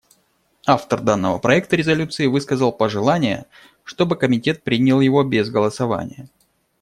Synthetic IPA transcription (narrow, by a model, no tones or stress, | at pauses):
aft̪ərd̪anːəvəpɾɐɛk̚t̪əɾʲɪzɐlʲut̪sɨɪvɨskəzəlˠpəʐɨlˠanʲɪjə̰ | ʂt̪o̞bɨkəmʲɪtʲe̞t̪̚pɾʲinʲɪlˠjɪvo̞bʲezɡəlˠəsɐva̰nʲɪ̰jə